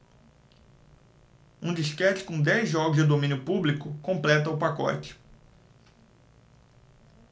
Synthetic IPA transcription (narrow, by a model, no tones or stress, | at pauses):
ũd͡ʒiskɛt͡ʃɪ̥kõd̪ɛjzʒɔɡʊzd͡ʒɪd̪omĩnjʊpublikʊkõplɛt̪ɐʊpakɔ̰t͡ʃɪ̥